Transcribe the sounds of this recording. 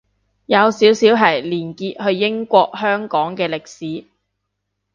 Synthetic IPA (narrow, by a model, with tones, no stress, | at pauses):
jɐ˨˧wsiː˨˥wsiː˨˥wɦɐ˨˩jliː˨˩nkiː˧t̚hɵ˧ɥjɪ˥ŋkʷɔː˧k̚hœː˥ŋkɔː˨˥ŋkɛː˧lɪ˨k̚siː˨˥